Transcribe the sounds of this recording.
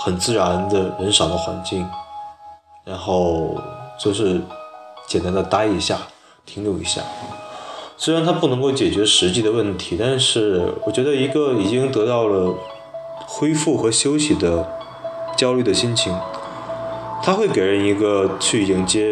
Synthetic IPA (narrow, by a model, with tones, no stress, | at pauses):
xə˨˩nt͡sɹ̩˥˩ɻa˧˥nd̪ə˧ɻə˧˥nʂɑ˨˩d̪ə˦xwa̰˧˥nt͡ɕi˥˩ŋ | ɻa˧˥nxo˥˩ʊt͡ɕo˥˧ʊʂɻ̩˥˩t͡ɕjɛ˨˩nt̪a˧˥nd̪ə˧t̪a˥i˧˥ɕja˥˩ | t̪ʰi˧˥ŋjo˨˩ʊḭ˧˥ɕja̰˥˩ | swe˥ɪɻa˧˥nt̪ʰa˥pu˥˩nɤ˧˥ŋko˥˩ʊt͡ɕjɛ˨˩t͡ɕɥɛ˧˥ʂɻ̩˧˥t͡ɕi˥˩d̪ə˩wə˥˩nt̪ʰi˧˥t̪a˥˧nʂɻ̩˥˩wɔ˨˩t͡ɕɥɛ˧˥d̪ə˧i˧˥ɡə˧i˨˩t͡ɕi˥ŋt̪ɤ˧˥t̪ɑ˥˩ʊlə˩ | xwe˥ɪfu˥˩xɤ˧˥ɕjo˥ʊɕi˧˥d̪ə˦ | t͡ɕjɑ˥ʊly˥˩d̪ə˩ɕi˥nt͡ɕʰi˧˥ŋ | t̪ʰa˥xwe˥˩ɪke˨˩ɪɻə˧˥ni˧˥ɡə˧t͡ɕʰy˥˩ji˧˥ŋt͡ɕjɛ˥